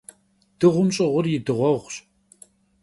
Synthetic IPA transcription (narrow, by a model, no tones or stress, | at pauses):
d̥ɨʁʷʊmɕʼɪʁʷʊrjɪdɨʁʷɔʁʷɕʼ